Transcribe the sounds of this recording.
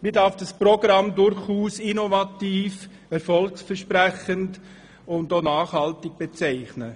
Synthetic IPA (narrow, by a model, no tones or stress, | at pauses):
miːdaɾfd̥əsproɡrɑmdʊɾχuːsinovɑtiːf | ɛɾfɔlksfɛɾʃpræχənt | ʊndonaːχhɑltɪɡ̥̚b̥et͡sɛɪχnə